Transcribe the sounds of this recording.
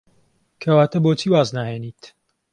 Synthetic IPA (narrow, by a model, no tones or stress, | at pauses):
kʰɐwaːt̪ʰɐboːt͡ʃʰiːwaːznaːheːniːt̪